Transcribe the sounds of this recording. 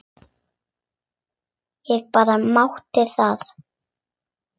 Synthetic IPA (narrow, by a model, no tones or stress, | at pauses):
jɛɣpaːɾamawht̪ɪθað